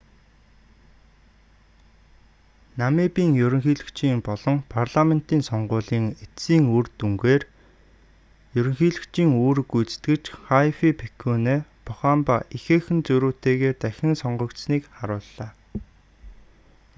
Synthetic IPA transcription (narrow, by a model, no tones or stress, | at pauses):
nameːpiːŋjɵɾʲɵ̆ŋxiːɮɘ̆kt͡ɕiːmpɔɮɞ̆ŋpʰarɮamen̥t̪iːnsɔɴɢʊːɮiːŋet̪siːŋurt̪uŋɡeːr | jɵɾɵ̆ŋxiːɮɘ̆kt͡ɕiːŋoːrɡujt͡st̪ɡɘ̆t͡ɕχaifipʰekʰuːneːpʰʊχaːmpaixeːxɘ̆nt͡sɵɾuːt̪eːɣeːt̪æxʲɪ̆ŋsɔɴɢɞ̆kt̪sniːkχaɾʊːɮːaː